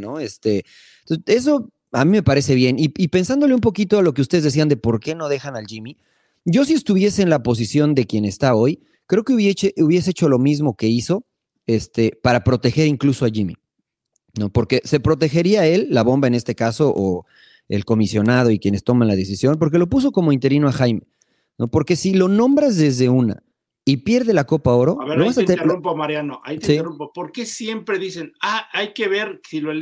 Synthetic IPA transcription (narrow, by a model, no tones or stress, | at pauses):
no̞est̪e̞ | t̪oe̞s̬o̞ | amĩme̞paɾe̞se̞βje̞niipe̞nsand̪o̞lumpo̞kit̪o̞alo̞keust̪e̞ðzðes̬iand̪e̞po̞ɾke̞noð̞e̞xanalʝimi | ɟ͡ʝo̞sie̞st̪uβje̞se̞ːnlapo̞s̬isjo̞nd̪e̞kje̞ne̞st̪ao̞j | kɾe̞okeuβeeuβje̞s̬eet͡ʃo̞lo̞mizmo̞ke̞iso̞ | e̞st̪e̞paɾapɾo̞t̪exe̞ɾiŋkluso̞aʝimḭ | no̞po̞ɾke̞se̞pɾo̞t̪̬e̞xe̞ɾiae̞lːaβo̞mbae̞ne̞st̪ekaso̞ʔo | e̞̰lko̞misjo̞nað̞o̞ikje̞ne̞st̪o̞mãnlað̞e̞sisjo̞np̬o̞ɾk̬e̞lo̞p̬us̬o̞ko̞mo̞int̪e̞ɾinoaxajme̞ | no̞po̞ɾke̞silo̞nõ̞mbɾazðe̞zðe̞una̰ | ipje̞ɾðe̞lako̞pao̞ɾo̞aβeloβasaeumpomaɾjanoʔa̰jt̪esirumpopoɾke̞sje̞mpɾe̞ðise̞naajke̞βe̞ɾsilo